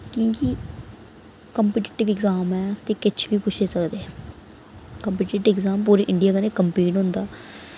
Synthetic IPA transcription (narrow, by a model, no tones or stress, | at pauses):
kõːki | kəmpːʈɪʈɪʋɪɡzaːmɛːt̪eːkɪt͡ʃʰʋiːpʊʃʰeːsəkd̪eːɛ | kəmpiːʈiʈɪʋɪɡzaːmpuːɾiːʔɪɳɖijaːkəneːkəmpiːʈɦʊ̃nd̪aː